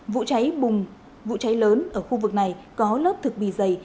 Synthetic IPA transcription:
vṵ˧˨t͡ɕa˨˦jɓʊ˨˩ŋ͡m | vṵ˧˨t͡ɕa˨˦jləː˨˦nʔəː˧˩xu˧vɨ˨˩k̚na˨˩jkɔ˨˦ləː˦˥p̚t̪ʰɨ˨˩k̚ɓḭ˧˩zə˨˩j

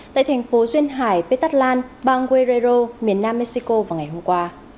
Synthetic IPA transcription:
t̪a̰ː˧˨jt̪ʰɛ˨˩jŋ̟fo˨˦zwi˧ənɦaː˧˩jpe˧˥t̪a˦˥t̚laː˧nɓaː˧ŋkwe˧ze˧zo˧mi˨˩ənːaː˧mːe˧˥k̚si˧ko˧vaː˨˩ŋa˨˩jɦo˧mŋ͡mkwaː˧

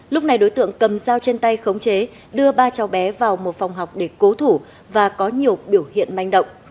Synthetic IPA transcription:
lʊ˦˥k͡p̚na˨˩jɗo˨˦jt̪ɨ̰˧˨əŋkə˨˩mzaː˧wt͡ɕe˧nt̪a˧jxə˨˦wŋ͡mt͡ɕe˨˦ | ɗɨ˧əɓaː˧t͡ɕa˨˦wɓɛ˨˦vaː˨˩wmo˨˩t̚fa˨˩wŋ͡mɦa˨˩wk͡p̚ɗe˧˩ko˨˦t̪ʰu˧˩ | vaː˨˩kɔ˨˦ɲi˨˩əwɓi˧˩əwhḭ˧˨ənma˧jŋɗə̰˧˨wŋ͡m

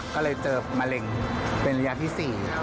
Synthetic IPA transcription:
kɔː˥˩lɤː˧jt͡ɕɤː˨˩p̚maː˧le˧˩ŋpe˧nɾa˧jaː˦˧˥t̪ʰiː˥˩siː˨˩˦

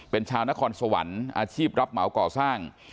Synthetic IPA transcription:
pe˧nt͡ɕʰaː˧wna˦˥kʰɔː˧nsa˧wa̰˩˦nʔa̰ː˧t͡ɕʰiː˥˩p̚ɾa˦˥p̚ma˩˦wkɔː˨˩saː˥˩ŋ

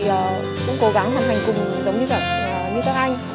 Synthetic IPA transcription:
ʔəː˨˩ | kʊ̰˧˥ŋ͡mko˧˦ɣa˧˦ŋha˨˧˩nhɦa˨˩jŋ̟kʊ˨˩ŋ͡mzə˨˦wŋ͡mɲɨ˧la˨˩k̚ʔəː˨˩ɲɨ˧ka˦˥k̚ʔa˧jŋ̟

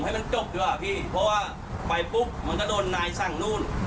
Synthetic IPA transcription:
mha˥˩jma˧nt͡ɕo˧˩p̚juː˧˥ʔa˧˩pʰiː˧˥˩pʰɔ˧˥waː˧˥˩ | pa˨˩jpu˦˥k̚ma˧˥˨kɔ˧˥˩doː˧nːaː˧jsa˧˩ŋnuː˥˩˨n

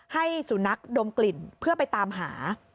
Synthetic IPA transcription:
ha˥˩jsu˩˦na˦˥k̚do˧mkli˨˩npʰɯ˥˩ɐpa˧jt̪aː˧mɦaː˩˦

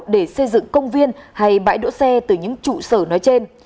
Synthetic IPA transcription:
ɗe˧˩sə˧jzɨ̰˧˨ŋkə˧wŋ͡mvi˧ənha˧jɓa̰ː˧˥jɗo̰˧˥sɛ˧t̪ɨ˨˩ɲɨ̰˧˥ŋt͡ɕṵ˧˨səː˧˩nɔ˨˦jt͡ɕe˧n

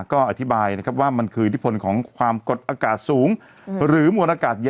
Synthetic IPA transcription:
kɔː˥˩ʔa˨˩t̪ʰi˦˥baː˧jna˦˥kʰa˦˥p̚waː˥˩ma˧nkʰɯː˧i˧t̪ʰpʰo˧nkʰɔː˩˦ŋkʰwaː˧mko˨˩t̪̚ʔaː˧kaː˨˩t̪̚suː˩˦ŋ | ɾɯː˩˦mu˧ənʔaː˧kaː˨˩t̪̚ja˧

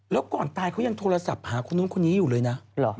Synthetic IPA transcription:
lɛː˦˥wkɔː˨˩nt̪aː˧jkʰa˦˥wja˧ŋt̪ʰoː˧la˧sa˨˩p̚haː˩˦kʰo˧nːu˦˥nkʰo˧nːiː˦˥juː˨˩lɤː˧jna˦˥lɔ˨˦

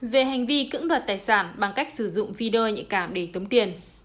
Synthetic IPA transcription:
ve˨˩ɦa˨˩jŋ̟vi˧kɨ̰˧˥ŋɗwaː˨˩t̚t̪aː˨˩jsaː˧˩nɓa˨˩ŋka˦˥jk̟̚sɨ˧˩zʊ̰˧˨ŋ͡mvi˧ɗo˧ɲɨ̰˧˥kaː˧˩mɗe˧˩t̪ə˨˦wŋ͡mt̪i˨˩ən

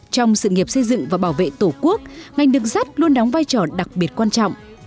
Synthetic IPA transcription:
t͡ɕɔ˧wŋ͡msɨ̰˧˨ŋi˨˩əp̚sə˧jzɨ̰˧˨ŋvaː˨˩ɓaː˧˩wvḛ˧˨t̪o˧˩ku˦˥ək̚ŋa˨˩jŋ̟ɗɨ˨˦ŋza˦˥t̚lu˧ənɗɔ˨˦wŋ͡mvaː˧jt͡ɕɔ˧˩ɗa˨˩k̚ɓi˨˩ət̚kwaː˧nt͡ɕɔ̰˧˨wŋ͡mʔ

